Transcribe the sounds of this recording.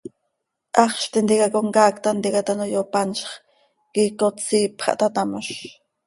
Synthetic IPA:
ʔɑχʃt̪ind̪ikakoŋkaːkt̪and̪ikat̪anojopanʃχ | kikot͡siːpχɑ̰ʔt̪at̪amaʃ

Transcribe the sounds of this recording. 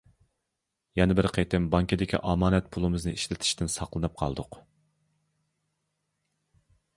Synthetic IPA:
jɛnɪbɪɾqʰejt̪ʰɪmbɑŋkʲid̪ɪkʲḭʔɑmɑːnɛt̪̚pʰulˠɨmɨznɨiʃlɪt̪ʰɪ̥ʃt̪ɪnsɑqlˠɨnɨp̚qʰɑ̰lˠd̪ʊq

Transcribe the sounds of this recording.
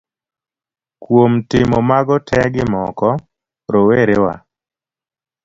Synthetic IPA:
kwomtɪmɔmaɡɔtʰɛɡɪmɔkɔ | ɾoweɾewa̰

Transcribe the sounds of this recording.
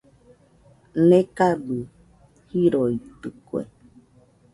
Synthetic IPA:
nekaɖu | hiɾoit̪ɨkwḛ

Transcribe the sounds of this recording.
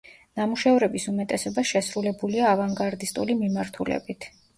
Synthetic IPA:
namuʃavɾɛbisumɛt̪ʼɛsɔbasʃɛsɾulɛbuliaːvaŋɡaɾd̪ist̪ʼṵlimimaɾt̪ʰulɛ̰bit̪ʰ

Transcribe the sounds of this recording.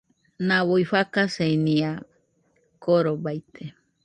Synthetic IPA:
nãβoiɸakaseinĩa | koɾobajt̪ʰe

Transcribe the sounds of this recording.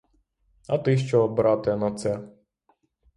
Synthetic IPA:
ɐt̪ɪʃt͡ʃɔbɾɑt̪ɛnɐt̪sɛ

